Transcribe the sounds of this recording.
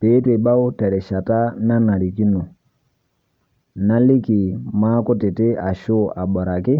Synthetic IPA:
be˨˦te˨ɓa˦wta˨ɾɛ˨ʃa˨ta˦na˦na˨ɾi˨ki˦nu˨ | na˦li˦ki˨ma˦kɔ˦te˨te˦a˨ʃo˦a˨ɓa˨ɾa˨ki˦

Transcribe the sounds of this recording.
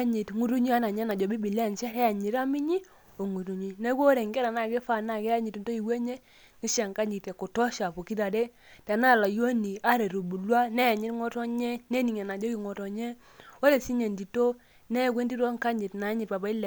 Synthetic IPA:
ɲi˨tŋu˦ɾu˦ɲi˦a˦na˨ɲɛ˦na˨d͡ʒɔ˨bi˦bi˨lɛ˦˨nt͡ʃɛ˦ɛ˦ja˨ɲi˨ɾa˦mi˦ɲi˦ | o˨ŋu˨ɾu˨ɲi˨ne˦kwo˦ɾe˨ŋɡɛ˦ɾa˨na˦˨ke˦fa˨na˨kɛ˦ja˦ɲi˨tnto˦i˨we˦ɲe˦ | ŋi˦ʃa˨ŋka˦ɲi˨te˨ko˨tɔ˦ʃa˨po˨ki˦ta˨de˦ | ta˨na˦˨la˨jo˦ni˨a˦ɾe˨ɾu˨bu˨lwa˦nɛ˦ja˨ɲɪ˦tŋɔ˦tɔ˦ɲɛ˦ne˦ni˨ŋɛ˨na˨d͡ʒɔ˦ki˨ŋɔ˨tɔ˨ɲɛ˦ | wo˦le˨si˦ɲe˨ndi˨to˦ | nɛ˦˨kwe˦ndi˦ɾwɔ˦ŋka˦ɲɪ˨tna˨˦ɲɪ˨t̚pa˨ba˦i˦l

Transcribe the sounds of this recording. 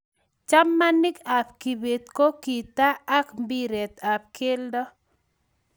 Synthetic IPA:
t͡ʃa˦mːa˦nɪ˦ka˨pki˨be˨t̪ko˦ki˨t̪a˦a˦kmbi˦ɾɛ˨t̪a˨p̚kʰɪ˦ldɔ˦

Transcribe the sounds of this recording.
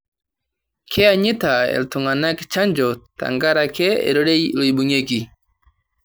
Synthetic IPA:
kʰɛ˦aɲi˦ta˨ɛ̰˨ltuŋana˦ki̥t͡ʃa˦nd͡ʒɔ˨ta̰ŋɡa˦ɾakɛ˦ɛ̰˨ɾɔ˦ɗɛlɔ˨iɓuɲɛki

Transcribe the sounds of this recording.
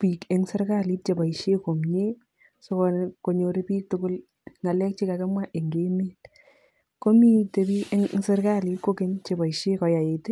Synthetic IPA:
piː˨ke˨˦ŋse˦ɾka˦li˦t̚t͡ʃe˨ba˨iʃe˦ko˨mɲe˦ | so˦kɔnko˨ɲo˨ɾe˦piː˦k̚tʊkʊ˦l | ŋa˨lɛ˦k̚t͡ʃi˦ka˨ke˦mwa˦ʔe˨ŋɡe˦meː˦t | ko˦mi˦te˨biː˦e˦ŋŋse˦ɾka˦li˨˦t̚ko˦ke˦nt͡ʃe˨ba˨iʃe˦kɔ˨ja˨je˨te˦

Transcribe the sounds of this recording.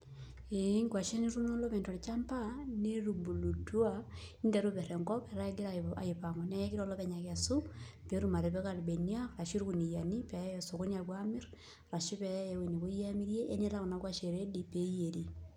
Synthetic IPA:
e˨˦ŋɡwa˨ʃe˦ni˦ɾu˦nɔ˦lɔ˦pɛ˨ntɔ˨ɾt͡ʃa˦mpa˦ne˦ɾu˨bu˨lu˨twa˦ | i˦nde˨ɾu˦pɛ˨ɾɛ˨ŋɡɔ˦pɛ˨ɾa˦ɡe˦ɾaa̰˨je˨pa˨ŋɔ˨na˦ɛ˦kiɾɔ˦lɔ˦pɛ˨ɲa˨ka˨su˦pe˨ɾu˨ma˨ɾe˨pe˦ka˨lbe˨ni˦a˦ɾa˨ʃi˦ɾku˨ni˨ja˨ni˦pɛ˨ja˦je˨so˨ko˦na˨kwami˦r | ra˨ʃi˦pɛ˨ja˦je˨we˨ni˨ko˦ja˦mi˦ɾje˦ʔːne˦la˦ko˨na˦kwa˦ʃe˨ɾe˦dipe˨˦je˨ɾi˦

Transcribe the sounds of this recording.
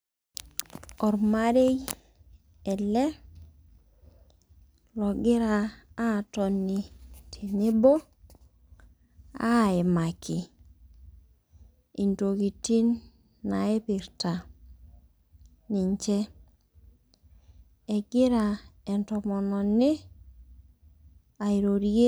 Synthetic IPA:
o˨ɾma˦ɾe˦j | e˨le˦ | lo˨ɡi˦ɾaː˨˦˨to˨nːi˨tʰi˨ni˦bo˦ | a̰˦e˨ma˨ki˨ | i˨nto˨ki˨ti˦nː | a˨e˦pi˨ɾta˨ | ni˨ɲt͡ʃɛ˦ | e˨ɡɪ˦ɾa˨ɛ˨ntɔ˨mɔ˨nɔ˨nɪ˦ | a˨i˨ɾo˨ɾi˦ɡe˦

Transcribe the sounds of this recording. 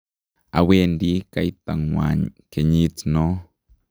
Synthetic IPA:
a̰˨we˦nd̪i˦ka˨i˦t̪a˨ŋwa̰˨ɲke˨ɲi˦t͡sno˦

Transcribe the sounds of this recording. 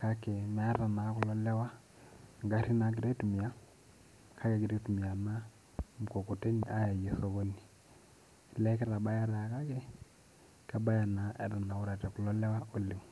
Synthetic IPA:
ka˦ke˨mɛ˦ɾa˨na˨˦kʊ˦lɔ˦lɛ˦wa˦ | ŋɡa˦ɾi˦na˨ɡ̬i˨ɾe˦tu˨mi˨a˦ | kʰa˦ke˨ɡi˨ɾe˦tu˨mi˨a˨na˦ | m˨ko˨ku˨te˦ni˨ʔa˦ja˨je˨˦so˦βo˦ni˨ | lɛ˦kɛ˦ɾa˨ba˦ja˦ɾa˨ka˦ke˦ | kɛ˦ba˦ja˨na˨ɛ̰˨ɾa˨na˨u˦ɾa˨tɛ˨ku˨lɔ˦lɛ˦wa˦o˦li˨ŋ˨

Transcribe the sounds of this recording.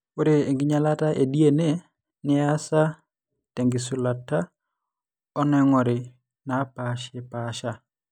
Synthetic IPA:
o˦ɾe˨e˨ŋɡɪ˦ɲa˨la˦ta˦ʔe˨di˦e˦ne˦ | nɪ˦a˦sa˦ | te˨ŋɡɪ˨su˨la˨ta˦ | ɔ˦nɛ˦ŋɔ˨ɾɪ˨ | na˨˦paʃɪ˦paʃa˦

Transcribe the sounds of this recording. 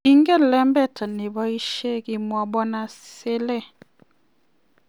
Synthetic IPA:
i˦ŋɡɛ˦lɛ˦mbɛ˦˨ta˨ne˨bɔ˦i˦ʃe˦ki˨mwɔ˨bɔ˦na˨se˦lɛ˦

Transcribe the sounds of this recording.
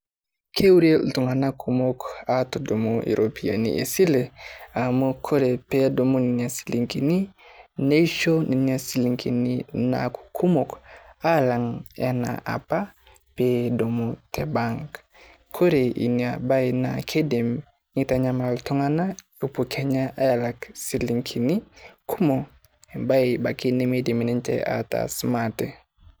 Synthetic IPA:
kʰe˦wu˦ɾe˦ltu˨ŋa˨na˦kʰu˨mo˦ka˦to˨do˨mu˦ʔḭ˨ɾʔo˨pi˨a̰˨nḭ˨ʔḛ˨si˦le˨a˨mo˦kʰo˦ɾe˨pe˦do˨mu˦ni˨ni˨a˨si̥˨li˨ŋki˨ni˦ne˦i˦ʃo˦ni˨ni˦a˨si˨li˨ŋki˨ni˦na̰˨ku̥˨kʰu˦mo˨ka˦la˨ŋḛ˦na̰˨ʔa̰˨pa˦ | pedo˨mute˨baŋk | kʰo˦ɾe˨ʔḭ˨niaba˦ina̰kʰe˦di˨m | ŋi˦ta˨ɲama˨ltɔ˦ŋa˦na˦ | u˨pu˨kʰe˦ɲa˦ʔa˦ja˨la˨ksi˨liŋkʰi˨ni˦kʰu˦mo˨ | e˨ba˦iba˨ki˦ni˦me˦di˨mi˨ni˦nt͡ʃɛ̰a̰ta̰smate˨

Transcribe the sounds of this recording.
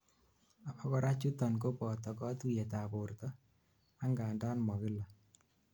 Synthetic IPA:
a˨pa˦kɔ˦ɾa˦t͡ʃu˦t̪ɔ˨nko˦pɔ˨t̪ɔ˨kɔ˦t̪u˦je˨t̪a˨po˨ɾt̪ɔ˦ | a˦ŋɡaː˨nda˦nmɔ˨kɪ˦la˨

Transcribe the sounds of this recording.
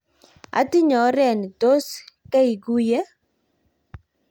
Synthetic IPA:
a̰˨˦tɪ˦ɲɔ˨˦ɾɛ˨n˨to˦ska˦i˨ɡu˦jɛ˦

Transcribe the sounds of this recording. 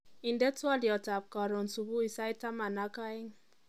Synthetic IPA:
i˨ndɛ˦twɔ˦li˨ɔ˨ta˨p̚ka˨ɾɔ˨nsu˨bu˦i˨sa˦jta˦ma˨na˦ka˦i˦ŋ

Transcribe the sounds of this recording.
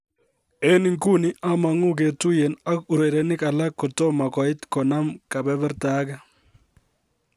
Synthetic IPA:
e˦ni˨ŋku˦ni˦ʔa˦ma˨ŋu˦k̬e˨tu˦jɛ˨na˦ku˨ɾe˨ɾɛ˨nɪ˦ka˨la˦kːɔ˨tɔ˦ma˨kɔ˨ɪ˦tkɔ˨na˦mka˨bɛ˦bɛ˦ɾta˦ɡa˦

